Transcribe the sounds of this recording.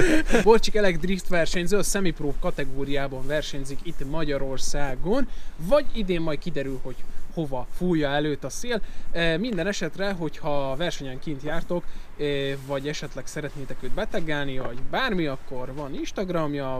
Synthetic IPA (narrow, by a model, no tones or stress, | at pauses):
bort͡ʃikɛlɛɡd̪rift̪ʋɛrʃɛɲzøɒsɛmiproːkɒt̪ɛɡoːɾijaːbɒɱvɛrʃɛɲzikit̪ːmɒɟɒɾo̞rsaːɡo̞nvɒɟid̪eːmːɒj̪kid̪ɛɾylho̞cho̞vɒfuːjːɒɛløːt̪ɒseːlmind̪ɛnɛʃɛt̪rɛɦo̞chɒvɛrʃɛɲɛŋkint̪jaːrt̪o̞kː | vɒɟɛʃɛt̪lɛksɛɾɛt̪neːt̪ɛkøːd̪̚bɛt̪ɛɡɛlnivɒɟbaːrmiɒkːo̞rvɒninʃt̪ɒɡrɒmjɒ